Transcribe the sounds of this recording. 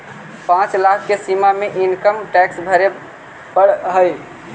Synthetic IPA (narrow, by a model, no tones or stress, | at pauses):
pãt͡ʃlakʰːesimameʔinkəmʈɛksbʱəɾe | pəɽɦəj